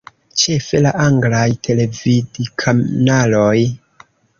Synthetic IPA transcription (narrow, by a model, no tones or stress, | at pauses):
t͡ʃe̞fe̞laʔaŋɡlajtʰe̞le̞vidikʰanaloj